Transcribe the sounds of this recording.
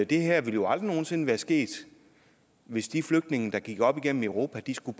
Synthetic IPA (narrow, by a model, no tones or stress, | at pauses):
d̥e̝ɦæɐ̰ʋe̝ljo̝ɑ̈ld̥ʁino̝ːn̩se̝nʋæːɐsɡ̥e̝̰ːd̥ | ʋe̝sd̥ifløɡ̥d̥ne̝ŋ̩d̥ɑ̈ɡ̥iɡ̥ɒ̽b̥iɡ̥en̰m̩øʊʁo̝̰ːpʰæd̥isɡ̥ub̥